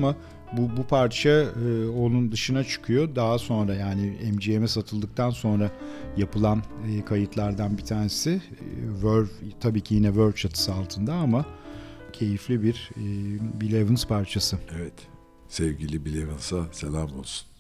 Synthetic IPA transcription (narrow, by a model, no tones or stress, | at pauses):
ama | bubupʰaɾt͡ʃʰaːo̞nˠund̪ɯʃɯnat͡ʃʰɯ̥kʰɯjo̞d̪aɦaso̞nɾajaːnɪɛmd͡ʒijemɛsat̪ʰɯlˠd̪ɯk̚t̪ʰanso̞nɾajapʰɯlˠanɯːkʰajɯt̪ʰlˠaɾd̪anbit̪ʰaːɾnesɪvøɾvt̪ʰabiːcʰijinɛvøɾt͡ʃat̪ʰɯ̥sɯalˠt̪ʰɯnd̪aama | cʰe̞jiflʲibiɾ | bilʲevɯnspʰaɾt͡ʃʰasɯevɛt̪ | sɛvɟilʲibilʲevɯnsaselʲamo̰lˠsu̥n